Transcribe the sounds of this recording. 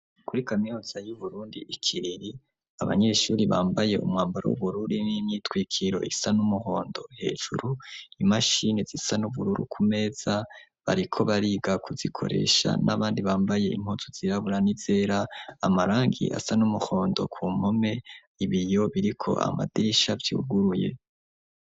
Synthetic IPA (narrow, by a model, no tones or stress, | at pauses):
kuɾikamijoz̥ajuβuɾuːndiikʰiɾiɾi | aβa̰ɲe̞ʃuːɾiβa̰ːmbaje̞ʔṵmŋaːmbaɾo̰ṵβuɾuɾinimɲitwiːkʰiɾo̞̰ʔisanumuho̞ːndo̞he̞̰ːʒuɾuimaʃinezisanuβuɾuɾṵkʰume̞ːz̥a | βaɾikʰo̞βaɾiːɡakuz̥ikʰo̞̰ɾe̞̰ʃa̰nʔaβaːndiβaːmbaje̞im̥hozuz̥iɾaβuɾaniz̥e̞ːɾaamaɾaːŋɡḭʔa̰sanumuho̞ːndo̞̰kʰuːmhome̞ | iβijo̞βiɾikʰo̞̰ʔa̰ma̰diɾiʃavjṵːɡuɾuje̞̰